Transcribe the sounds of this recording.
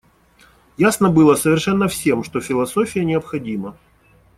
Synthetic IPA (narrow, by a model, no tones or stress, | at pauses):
jasnəbɨlˠəsəvʲɪrʂɛnːəfsʲe̞mʂt̪o̞fʲɪlˠɐsofʲɪjənʲɪəpxɐdʲimə